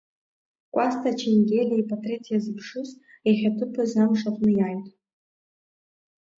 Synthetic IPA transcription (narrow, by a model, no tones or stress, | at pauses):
kʷʼastʰat͡ʃʰenɡʲelʲaipʰʼatʰʼretʰijazɨpʰʂɨz | eχʲatʰɨpʰɨzamʂaχʷʼnɨjajtʼ